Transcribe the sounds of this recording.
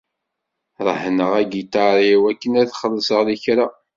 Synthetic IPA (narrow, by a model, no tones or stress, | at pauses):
ɾˤəhnəʁæɡit̪ɑɾˤiwækːənæðχəlːəsəʁðiçɾa